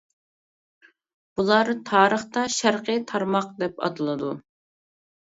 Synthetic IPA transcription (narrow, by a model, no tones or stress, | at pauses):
b̥ulˠɑɾt̪ʰɑːɾəχt̪ɑʃæɾqʰət̪ʰɑɾmɑqd̪ɛpɑ̰t̪ɨlˠɨd̪u